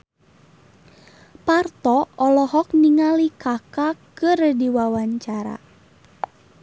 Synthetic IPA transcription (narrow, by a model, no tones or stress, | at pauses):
part̪ɔɔlɔɦɔk̚niŋalikakakɨrdiwawaɲt͡ʃaɾa̰